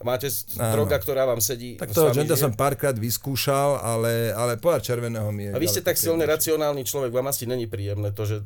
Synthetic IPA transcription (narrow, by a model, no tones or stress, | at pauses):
maːcɛ | ad̪ɾɔɡakt̪ɔɾaːʋaːmsɛɟiːt̪akt̪ɔɦɔd͡ʒɛnd̪ɛs̬ɔmpaːɾkɾaːd̪ʋiskuːʃalalɛalɛpɔaɾt͡ʃɛɾʋɛnɛːɦɔmɪɛaʋiscɛt̪aksilɲɛɾat͡siɔnaːlniːt͡ʃlɔʋɛɡʋaːmasiɲɛɲipɾiːjɛmnɛːt̪ɔʒɛ